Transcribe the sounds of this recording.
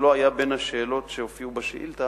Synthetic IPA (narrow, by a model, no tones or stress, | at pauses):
loajabe̞nhaʃeːlo̞tʃeofiubaʃeʔḭlta